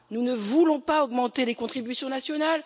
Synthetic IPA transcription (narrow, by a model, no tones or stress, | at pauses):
nunəvulɔ̃paɔɡmɑ̃t̪elekɔ̃t̪χibysjɔ̃nasjɔnal